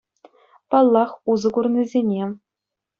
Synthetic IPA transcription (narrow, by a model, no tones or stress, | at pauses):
pɑlˠːɑχuzɤ̆kurnʲizʲenʲe